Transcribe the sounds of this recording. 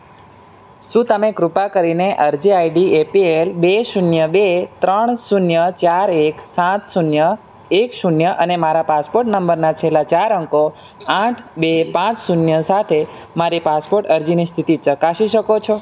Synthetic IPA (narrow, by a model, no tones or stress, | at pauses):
ʃũt̪əmẽkɾupakəɾineʔəɾd͡ʒiaiɖiepielbeʃunjəbet̪ɾəɳ̃sunjət͡ʃaɾeksãt̪sunjə | ekʃunjəʔənemaɾapaspoɾʈnəmbəɾnat͡ʃʰelat͡ʃaɾəŋko | ãʈʰbepãt͡ʃsunjəsat̪ʰe | maɾipaspoʈəɾd͡ʒinist̪ʰit̪it͡ʃəkaʃiʃəkot͡ʃʰo